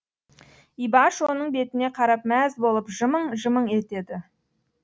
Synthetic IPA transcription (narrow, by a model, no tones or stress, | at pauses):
ijbɑʃwo̞nəɴbe̞t̪ɪne̞qʰɑɾɑp̚mæzbo̞lˠəpʒəməɴʒəməɴe̞t̪e̞d̪ɪ